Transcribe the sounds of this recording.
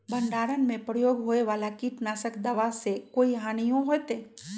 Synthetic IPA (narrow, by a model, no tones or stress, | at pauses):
bʱɐ̃ɳɖaːɾənmẽpɾəjoːɡɦoːeʋaːlakiʈnaːsəkd̪əʋasekoːiɦaːnijõɦoet̪eː